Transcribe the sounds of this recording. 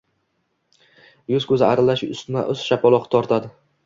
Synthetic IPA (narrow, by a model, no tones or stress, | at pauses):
jʊzkʰɵzɪaɾɪlaʃʊst̪maʔʊz̥ʃapɒlˠɒqt̪ʰɒɾt̪ʰad̪ɪ